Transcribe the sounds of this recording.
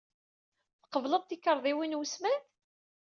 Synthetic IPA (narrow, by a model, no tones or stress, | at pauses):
θqəvləðˤt̪ikːəɾˤðˤiwinwusmænt̪